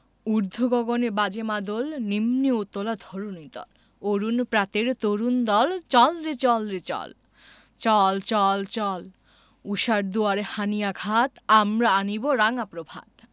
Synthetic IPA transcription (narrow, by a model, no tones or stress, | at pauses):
uɾd̪ʱoɡɔɡonebad͡ʑemad̪olnimniot̪ːolad̪ʱɔɾunid̪ɔ̰l | oɾunpɾat̪eɾt̪oɾund̪ɔlt͡ɕɔlɾit͡ɕɔlɾet͡ɕɔ̰l | t͡ɕɔlt͡ɕɔlt͡ɕɔl | uʃaɾd̪uaɾehanijaɡʱat̪amɾaaniboɾaŋapɾobʱa̰d̪